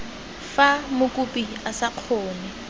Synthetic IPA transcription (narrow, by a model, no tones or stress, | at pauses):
famʊkʼupʼiasaq͡χʰɔːnɛ